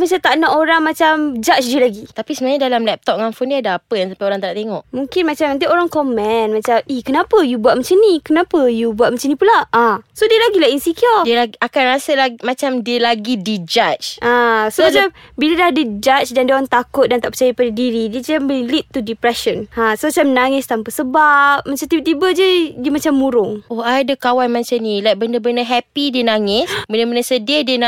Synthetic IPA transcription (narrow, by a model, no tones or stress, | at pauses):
mat͡ʃat̪aʔnaʔoɾaŋmat͡ʃamd͡ʒat͡ʃdiəlaɡit̪apisəbaɲadalamlɛp̚t̪ɔp̚ŋaŋfundiəadaapəjaŋsampajoɾaŋt̪aɾaʔt̪eŋɔʔmũŋkɪnmat͡ʃamant̪̬iʔoɾaŋkomɛ̃nmãt͡ʃamihkənapəjubuaʔ̚mət͡ʃənikənapəjubuat̪̚mət͡ʃənĩpulaãsodiəlaɡilainsikiɔdiəlaakanɾasəlaɡmat͡ʃamdiəlaɡidid͡ʒat͡ʃasomaambiladahdəd͡ʒat͡ʃdandioɾaŋt̪akʊt̪̚dant̪aʔpə̥t͡ʃajapadadiɾidiəd͡ʒamilit̪ːudipɾɛʃənãsomat͡ʃamnaŋɪst̪ampasəbap̚mat͡ʃamt̪ibət̪ibəd͡ʒədiəmat͡ʃamːuɾʊŋʔoadəkawanmãt͡ʃanĩlajk̚bəndəbəndəɦɛpidiənaŋɪssbəndəbəndəsədədiəna